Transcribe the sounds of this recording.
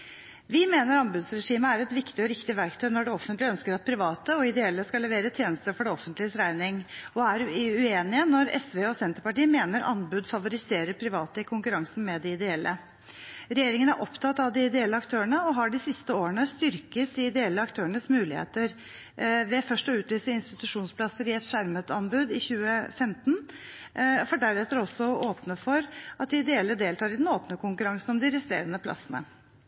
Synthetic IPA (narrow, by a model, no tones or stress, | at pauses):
ʋɪmeːnəɾɑnbʉd̪sɾɛʂiːməæɾɛt̪ʋɪkt̪ɪɔɾɪkt̪ɪʋæɾkt̪ʰœɪnɔɖɛɔfənt̪lɪœnskəɾɑt̪̚pʰɾɪʋɑːt̪əɔɪd̪ɛɛlːəskɑlɛʋeːɾət̪ʰjeːnəst̪əfɔɖɛɔfənt̪lɪəsɾæɪnɪŋɔæɾʉeːnɪənɔɾɛ̰sʋeːɔsɛnt̪əɾpɑʈiːəmeːnəɾʔɑ̰nbʉd̪fɑʋʊɾɪseːɾəɾpʰɾɪʋɑːt̪əɪkʰʊŋkʉɾɑŋsn̩mɛd̪ɪɪd̪ɛɛlːʔə̰ | ɾɛjeːɾɪŋənæɾʔɔpt̪ʰɑt̪ːɑʋd̪ɪɪd̪ɛɛlːəɑkt̪ʰøːəɳəɔɦɑɖɪsɪst̪əoːəɳəst̪ʏɾkət̪̚d̪ɪɪd̪ɛɛlːəɑkt̪ʰøːəɳəsmʉːlɪhḛːt̪əɾ | ʋɛfœʂʈɔʉːt̪lyːsəɪnst̪ɪt̪ʉʂuːnspʰlɑsəɾɪɛt̪ʂæɾmət̪ɑnbʉd̪ɪçʉːəfɛmt̪n | fɔɖæɾɛt̪ːəɾɔsːɔoːpnəfɔɾʔɑt̪̚d̪ɪɪd̪ɛɛlːəd̪eːlt̪ʰɑːɾɪd̪ɛnoːpnəkʊŋkʉɾɑŋsn̩ɔmd̪ɪɾɛst̪ḛːɾənəpʰlɑ̰sːənə̰